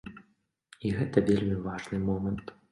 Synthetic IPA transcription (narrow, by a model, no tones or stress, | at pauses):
iɣɛt̪ɐvʲelʲmʲivaʐnɨmɔmɐnt̪